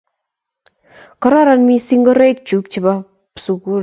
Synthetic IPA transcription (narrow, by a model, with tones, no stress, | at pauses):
kɔ˦ɾɔ˦ɾa˦nmi˦si˦ŋɡɔ˦ɾe˦k̚t͡ʃu˨˦k̚t͡ʃɪ˨ba˦ | su˨ku˦